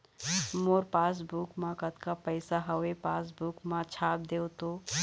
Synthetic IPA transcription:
moːɾpaːs̬bukmãkət̪kapəɪsaɦɐepaːs̬bukmãt͡ʃʰaːp̚d̪eːot̪oː

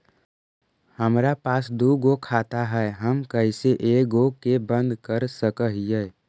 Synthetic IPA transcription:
həmɾapaːsd̪uːɡokʰaːt̪aɦɛɦəmkəɪseʔeːɡokebə̃nd̪kəɾsəkəɦijɛː

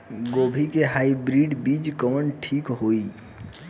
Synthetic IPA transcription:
ɡoːbʱikeɦaibɾiɖbid͡ʒkəmənʈʰiːkɦoi

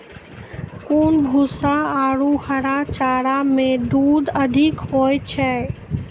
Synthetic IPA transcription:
kuːnbʱuːsaaːɽuhəɾat͡ʃaːɽamẽɖ̪uːd̪əd̪ʱɪkɦoːjt͡ʃʰɛː

